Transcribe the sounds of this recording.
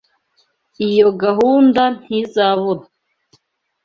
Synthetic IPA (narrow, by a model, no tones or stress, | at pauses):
ijo̞ɡaɦuːndan̥izaβona